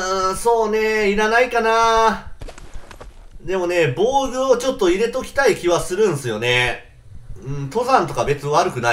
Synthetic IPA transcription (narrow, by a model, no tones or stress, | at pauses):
ɯ̃so̞ːne̞iɾanaikana | d̪e̞mo̞ne̞bo̞ːɡɯ̟ot͡ɕo̞t̪ːo̞iɾe̞t̪o̞kʲi̥t̪aikʲiβasɨɾɯ̟̃ɰ̃sɨjo̞ne̞ | ɯ̟̃ɴt̪o̞zãnt̪o̞kabe̞t͡sɨβaɾɯ̟kɯ̟na